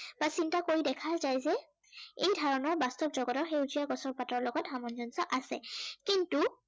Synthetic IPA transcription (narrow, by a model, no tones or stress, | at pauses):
b̥asintakoɹidɛkʰaɹzajzɛ | ejdʱaɹɔnɔɹbastɔpzɔɡɔtɔɹxeuzijaɡɔsɔɹpatɔɹlɔɡɔtɦamɔnzɔnsɔʔasɛ̰kintu